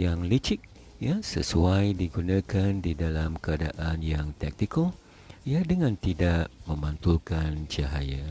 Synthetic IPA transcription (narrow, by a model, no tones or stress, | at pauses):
jaŋlit͡ʃɪk̚ | jasə̰suajdiɡunãkandidalamkəada̰ʔanjaŋt̪ɛk̚t̪ikəl | ijadəŋãnt̪idaʔmə̃mant̪ulkant͡ʃaɦaja